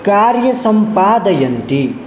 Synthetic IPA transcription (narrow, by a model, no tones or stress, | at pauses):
kaːɾjɐsɐmpaːd̪ɐjɐnt̪i